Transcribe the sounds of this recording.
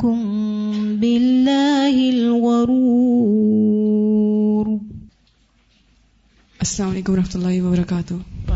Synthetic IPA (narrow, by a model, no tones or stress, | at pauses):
kʊmbɪlːaːhɪlɣɑɾuː | ɾ | ʔasːalaːmalejːkʊmɾˤɑħmat̪lˤːɑːhiwabɑɾˤɑkaːt̪ʊh